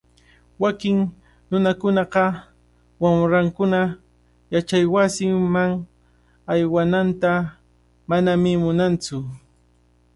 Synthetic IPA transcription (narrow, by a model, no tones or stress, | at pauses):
wakɪŋ | nʊnakʊnɑqɑ | wamɾaŋkʊna | jat͡ʃajwasɪmaŋ | ajwanant̪a | manamɪmʊnant͡sʊ